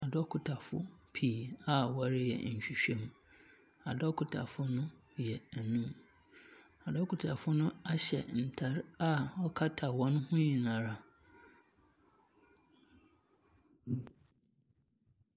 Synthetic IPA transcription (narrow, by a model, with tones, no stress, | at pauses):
a˨dɔ˦kʰʊ˨tʰa˨fʊ̰˦pʰiː˨a˦wa˨˦ɾɪ˦jɛ̰˨ɲ̩˨ɕᶣi˨ɕᶣɛ̃˦˨m | a˨dɔ˦kʰʊ˨tʰa̰˨fʊ˦nʊ̃˦ | jɛ˨æ˨nũ˦m | a˨dɔ˦kʰʊ˨tʰa˨fʊ˦nʊ̃˦a˦ɕɛ̰˨n̩˨tʰa˨ɾa˦ɔ˦kʰa˦tʰa˨wɔ̃˦n˦hʊ̃˦ɲĩ˨nã˨ɾa˨